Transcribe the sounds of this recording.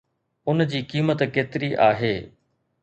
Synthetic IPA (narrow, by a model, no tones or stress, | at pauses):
ʊnd͡ʑiːkiːmət̪keːt̪ɪɾiʔaːɦeː